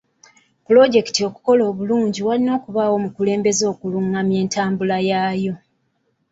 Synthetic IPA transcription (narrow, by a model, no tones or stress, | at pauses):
pulo̞ɟe̞ki̥tio̞ku̥ko̞lo̞ːβuluːɲɟiwalino̞ːkuβaːwo̞mukule̞ːmbe̞zo̞ːkuluŋːamje̞ːntaːmbulajaːjo̞